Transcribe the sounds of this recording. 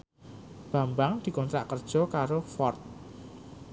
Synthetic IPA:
b̥a̤mbaŋd̪̥i̤kɔnt̪ɾaʔkərd̥ʒ̥ɔ̤kaɾofɔrt̪̚

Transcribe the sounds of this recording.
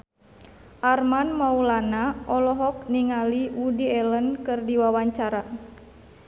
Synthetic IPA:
ʔarmanmaulanaʔɔlɔɦɔk̚niŋaliudiɛlənkɨrdiwawaɲt͡ʃaɾa

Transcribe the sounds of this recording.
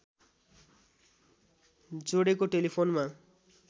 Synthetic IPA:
d͡zoɽekoʈelipʰonma

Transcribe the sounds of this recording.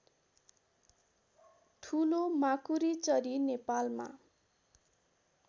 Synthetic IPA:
ʈʰulomakuɾit͡sʌɾinepalma̰

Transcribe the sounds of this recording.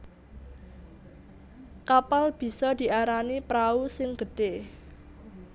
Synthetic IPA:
kapalb̥i̤sɔd̪̥i̤ʔaɾanipɾausɪŋɡ̥ə̤ɖ̥e

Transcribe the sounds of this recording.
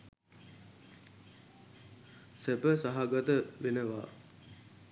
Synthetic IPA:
sepəsaɦaɡat̪əʋenəʋa̰ː

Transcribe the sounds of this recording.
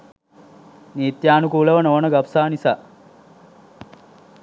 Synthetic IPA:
niːt̪jaːnukuːləʋənoːnəɡapsaːnisaː

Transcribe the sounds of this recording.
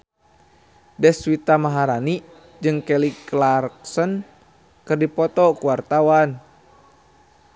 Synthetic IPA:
dɛswit̪amaɦaɾani | d͡ʒɨŋkɛliklarksɔn | kɨrdipɔt̪ɔkuwart̪awan

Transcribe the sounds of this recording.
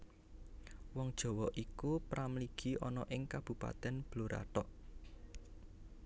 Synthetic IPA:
wɔŋd̥ʒ̥ɔ̤wɔʔikupɾamliɡ̥i̤ʔɔ̰nɔʔɪŋkab̥ṳpa̰t̪ɛnb̥loɾʔa̰ʈɔʔ

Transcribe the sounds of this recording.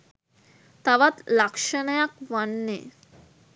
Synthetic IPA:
t̪aʋat̪lakʃənəjakʋanːḛ

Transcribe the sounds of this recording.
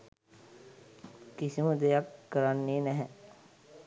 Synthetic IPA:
kisiməd̪ejakːəɾanːeːnɛɦɛ

